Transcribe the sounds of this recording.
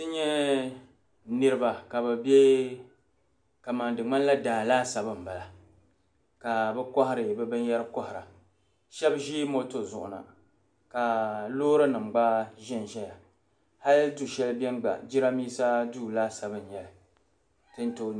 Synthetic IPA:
tɨ˦ɲɛ˦ | nɨ˦ɾɨ˦ba˨ka˨bɛ˨bjɛ˦ | ka˨ma˨ndɨ˨ŋ͡ma˦n˦la˦daː˨laː˦sa˨bɨ˦m̩˨ba˨la˨ | ka˨bɛ˦kɔ˦hɪ˦ɾɨ˨bɛ˦bɨ˦n˦jɛ˦ɾɨ˦kɔ˦hɪ˨ɾa˨ | ʃɛ˦bʒi˦mo˦to˨zʊ̰˨ʔʊ̰˨na̰˨ | ka˨loː˦ɾɨ˦nɨ˨m˨ɡ͡ba˦ʒɪ˦nʒɛ˦ja˨ | ha˦ltu˨ʃɛ˦lbɛ˦n˦ɡ͡ba̰˨d͡ʒi˦ɾa˦miː˦sa˦duː˦˨laː˦sa˨bɨ˦n˨ɲɛ˨lɨ˨ | tɨ˦n˦to˦

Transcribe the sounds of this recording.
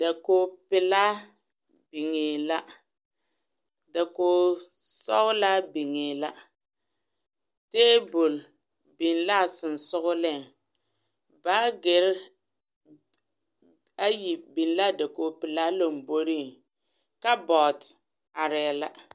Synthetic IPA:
da˨koː˦pɪ˨la˦ | bi˨ŋe˨la˦ | da˨koː˨˦sɔ˦ɣʊ˦la˦bi˨ŋeː˨la˦ | teː˦bʊ˨l | bi˨nla˦˨sɪ˨n˨sʊ˦ɣʊ˦lɛ˦˨ŋ | ba˦ɡɪ˨ɾ | a˦ji˨bi˨nla˦da˨koː˨pɪ˨la˦lo˦˨m˨bo˦ɾi˦˨ŋ | ka˦bɔ˨t | a˨ɾɪ˨la˦

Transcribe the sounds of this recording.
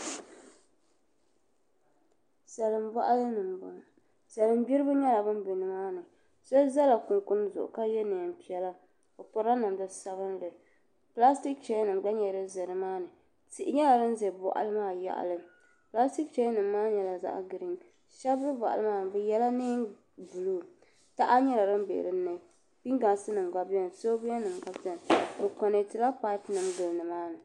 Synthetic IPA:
sɛ˨lɨ˨mva˦ʔa˦lɨ˦nɨ˨m˨b | sɛ˨lɨ˨m˦bi˦ɾɨ˦bɨ˦ɲɛ˦la˨bɨ˦m˦bɨ˨nɨ˨maː˦nɨ˨ | so˦za˦la˨kʊ˨ŋkʊ˦n˦zʊ̰˨ʔʊ̰˨ka˦jɛ˦nɨ˨pi˦ɛ˦la˦ | o˨pɔ˨ɾa˦nɨ˨mdɨ˦sa˨βɨ˦nlɨ˨ | pla˦sti˦k̚t͡ʃɛ˦nɨ˨mɡ͡ba˦ɲɛ˨ɾɨ˦zɨ˨ɾɨ˨maː˦nɨ˨ | ti˨ʔɪ˦ɲɛ˦la˨ɾɨ˦n˦zɛ˨bɔ̰˨ʔa̰˨lɨ˦maː˦ja̰˦ʔa̰˨lɨ˦ | pla˦sti˦k̚t͡ʃɛ˦nɨ˨mː˦aː˦ɲɛ˨la˨za̰˦ʔɡɨ˨ɾi˦ŋ | ʃa˦blɨ˦bɔ˨ʔa̰˨lɨ˦maː˦˨n˨bɛ˦jɛ˦la˦ni˦n | vu˨lu˦˨ | ta˦ʔa˦ɲɛ˦la˨ɾɨ˦m˦bḛ˨ɾɨ˦nɨ˨ | pi˦ŋɡa˨nsɨ˦nɨ˨mɡa˦bjɛ˦n˨so˦bi˦a˦nɨ˨mɡa˦bdɛ˦n˨bɨ˨kɔ˨nɨ˨tɨ˨la˦pa˦ɪ˦pnɨ˨mɡɨ˨lnɨ˨maː˦nɨ˨

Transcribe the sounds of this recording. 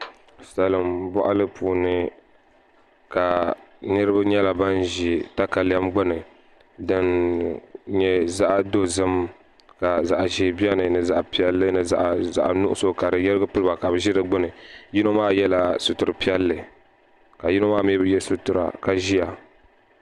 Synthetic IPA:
sa˨lɨ˨mbɔ̰˦ʔa˦lɨ˦puː˨nɨ˦ | ka˨nɨ˦ɾɨ˦ba˦ɲɛ˦la˨ba˦nʒi˦ta˦ka˨lɛ˦mɡ͡bʊ˦nɨ˨ | dɨ˦n | ɲɛ˦za˦ʔdo˦zɨ˦m | ka˨za˨ʔʒi˨bi˦ɛ˦nɨ˨nɨ˨za˨ʔpi˦ɛ˦lːɨ˦nɨ˨za̰˨ʔza̰˨ʔnʊ˦ʔʊ˦so˦ka˨ɾɨ˨jɛ˦ɾɨ˦ɡɨ˦pɨ˦lɨ˦ba˨ka˨bɨ˨ʒi˦dɨ˦ɡ͡bʊ˦nɨ˨ji˦no˦maː˦jɛ˦la˦sʊ˨tʊ˨ɾɨ˨pi˦ɛ˦lːɨ˨ | ka˨ji˦no˦maː˦m˦bɨ˦jɛ˦su˨tʊ˨ɾa̰˨ka˨ʒi˦ja˨

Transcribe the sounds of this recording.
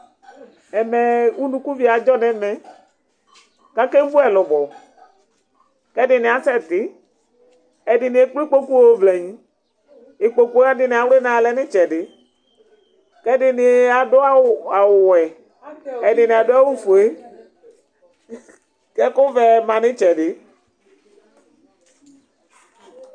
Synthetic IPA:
ɛ˨mɛ˨u˦nũ˨ku˦vi˨˦a˨d͡ʒɔ˦nɛ˨˦mɛ̃˨ | ka˦kɛ˦vu˦ɛ˨lɔ˨vɔ˨ | kɛ˦dɪ˨nɪ˨a˨sɛ˦t̪ɪ˨˦ | ɛ˨dɪ˨nɪ˨e˨k͡pi˦k͡po˦ku˦o˦vlɛ˨ɲĩ˨˦ | e˨k͡po˨ku˦a˦dɪ˨nɪ̃˨a˨wɾe˦nã˨lɛ˦nɪ˦t͡ʃɛ˨dɪ˨ | kɛ˦dɪ˨nɪ˨a˨dɔ˦a˦˨a˨wʊ˨wɛ˨ | ɛ˨dɪ˨nɪ˨a˨dɔ˦a˦wu˦fo˨e˦ | kɛ˦kʊ˦vɛ˨mã˨nɪ̃˦t͡ʃɛ˨dɪ˨

